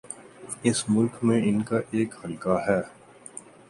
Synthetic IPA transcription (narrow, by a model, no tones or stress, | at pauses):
ɪsmʊlkmẽɪnkaʔeːkhɐlkaɦɛː